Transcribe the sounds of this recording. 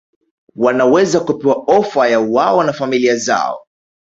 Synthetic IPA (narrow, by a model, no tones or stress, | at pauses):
wanawɛzakupɛwaɔfajauwaɔnafamiliaza̰ɔ̰